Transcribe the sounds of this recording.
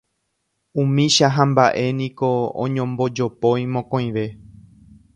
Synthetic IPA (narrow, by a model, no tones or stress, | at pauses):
ũmĩʃaɦãmbaʔe̞nĩkoõ̰ɲõmbo̞d͡ʒo̞põjmõkõj̃ʋe̞